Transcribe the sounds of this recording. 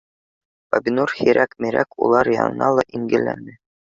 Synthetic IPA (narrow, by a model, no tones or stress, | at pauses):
pabʲinurhiɾʔækmiɾæ̰kṵlˠɑɾjɑ̰nɤ̆nɑlˠɑʔiŋɡɘ̆lːæ̰nɘ